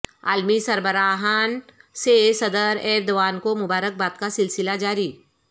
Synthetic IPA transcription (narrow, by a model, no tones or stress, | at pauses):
a̰ːlmisɐɾbəɾaːɦaːnsesɐd̪əɾɛːɾd̪ɐʋaːnkomʊbaːɾək̚baːt̪kasɪlsɪlad͡ʒaːɾiː